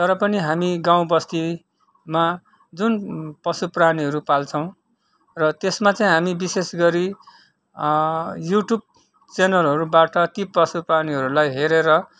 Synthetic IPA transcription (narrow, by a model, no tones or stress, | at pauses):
t̪ʌɾʌpʌniɦamiɡaw̃bʌst̪i | ma | d͡zunpʌsupraniɦʌɾupalt͡sʰʌw̃ | rʌt̪esmat͡saĩɦamibisesɡʌɾi | juʈjub̚ | t͡senʌlɦʌɾubaʈʌt̪ipʌsupraniɦʌɾulajɦeɾeɾʌ